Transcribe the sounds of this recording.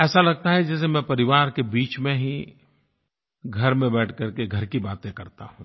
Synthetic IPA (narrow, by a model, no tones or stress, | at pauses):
ɛːsalɐɡ̚t̪aɦɛd͡ʒɛːs̬emɛ̃pɐɾɪʋaːɾkebiːt͡ʃmẽɦi | ɡʱɐɾmẽbɛːʈʰkɐɾkeɡʱɐɾkibaːt̪ẽkɐɾt̪a̰ɦũː